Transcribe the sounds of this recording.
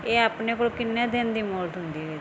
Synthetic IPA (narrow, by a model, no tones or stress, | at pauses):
eːaːpneːkoːlkɪnːãːd̪eːnd̪iːmoːlʈɦʊnd̪iːɦeː